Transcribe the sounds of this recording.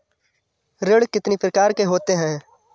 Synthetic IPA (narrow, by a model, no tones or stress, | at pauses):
ɾɪɽkɪt̪nipɾɐkaːɾkeɦoːt̪eɦɛ̃ː